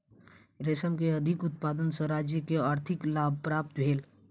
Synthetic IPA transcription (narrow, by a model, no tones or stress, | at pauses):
ɾeːsəmkeɐd̪ʱɪkʊt̪̚paːd̪ənsə̃ɾaːd͡ʒjəkeaːɾt̪ʰɪklaːb̚ʱpɾaːp̚t̪bʱeːl